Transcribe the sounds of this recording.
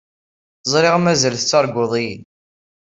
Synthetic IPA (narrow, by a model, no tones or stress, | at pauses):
əzˤɾɪʁmæzəlθət͡sːɑɾˤɡʷʊðˤijn